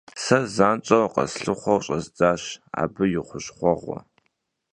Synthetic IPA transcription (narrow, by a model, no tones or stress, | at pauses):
sɐzaːnt͡ʃʼɐwqɐ̰sɬɨχʷɔwɕʼɐzd͡zaːɕa̰ːbɨjɪχʷʊɕχʷɔʁʷɔ̰